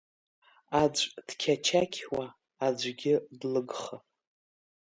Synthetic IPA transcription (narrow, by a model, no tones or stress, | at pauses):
ad͡ʒʷʼd̥kʲʰat͡ʃʰakʲʰwaː | d͡ʒʷɡʲɪdlɨɡχa